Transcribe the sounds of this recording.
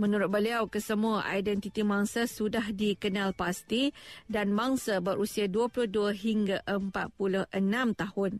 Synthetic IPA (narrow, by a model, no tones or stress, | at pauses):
mə̃nuɾʊt̪̚bəliawkəsəmũaʔa̰jdɛnt̪it̪imaŋsasudaɦdikənãlpast̪idanmaŋsabəɾʔusiaduəpulʊhduəɦiŋɡaʔəmpa̰t̪̚pulʊhʔənãmt̪ahʊn